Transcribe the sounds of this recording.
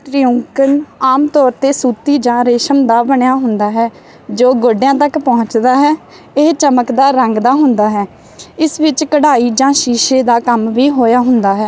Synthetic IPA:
ʈɾiːʊ̃ŋkənaːmt̪ɔːɾt̪eːsuːt̪iːd͡ʒãːɾeːʃəmd̪aːbəɳejaːɦʊnd̪aːɦɛː | d͡ʒoːɡoɖjãːt̪əkpɔ̃ːʊt͡ʃd̪aːɦɛː | eɦt͡ʃəməkd̪aːɾəŋɡd̪aːɦʊnd̪aːɦɛː | ɪsʋɪt͡ʃkəɽaːiːd͡ʒãːʃiːʃeːd̪aːkəmʋiːɦoːjaːɦʊnd̪aːɦɛː

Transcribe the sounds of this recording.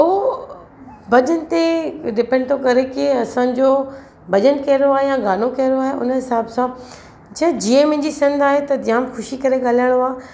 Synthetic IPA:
o | bʱɐʄənɪ̆t̪eɖɪpɛ̃ɳɖt̪ʰokɐɾekɪɐsãd͡ʑo | bʱɐʄənkɐɦɾoaːɦejãɡaːnokɐɦɪɾoaːɦeʔʊ̰nɦɪsaːbsã | t͡ɕʰɐd͡ʑiːə̃mɐ̃ɦɪ̃ɲd͡ʑisɪ̃nd̪aːɦet̪ɐjãːmxʊʃikɐɾeɠaːlaːjəɽ̃oaː

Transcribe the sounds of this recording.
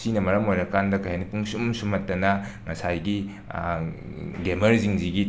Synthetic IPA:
sinɐmɐɾɐmojɾɐkandɐkʰɐjhanipʰuŋsumsumɐtːɐnɐŋɐsajɡi | ɡemɐɾziŋziɡi

